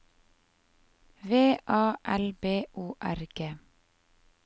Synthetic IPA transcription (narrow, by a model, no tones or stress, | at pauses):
ʋeːʔɑːʔælbeːʔuːʔæɾɡ̥eː